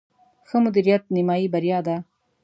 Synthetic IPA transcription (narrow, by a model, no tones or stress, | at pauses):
xəmʊd̪iɾijat̪̚nɪmɑːibaɾjɑd̪a